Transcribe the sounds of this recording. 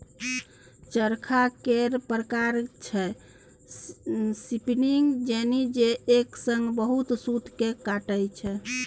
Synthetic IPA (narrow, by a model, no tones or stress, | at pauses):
t͡ʃəɾkʰakeɾpɾəkaɾt͡ʃʰɛ | sipniŋɡd͡ʒenid͡ʒeːksəŋɡbəɦut̪sut̪kekaʈəjt͡ʃʰɛ